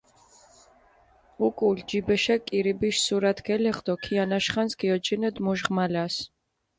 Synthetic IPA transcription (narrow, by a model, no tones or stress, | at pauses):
ukʼuld͡ʒibɛʃɛkʼiɾibiʃsuɾat̪ʰɡɛlɛχd̪ɔkʰianaʃχansɡiɔt͡ʃʰinɛd̪muʒʁmalas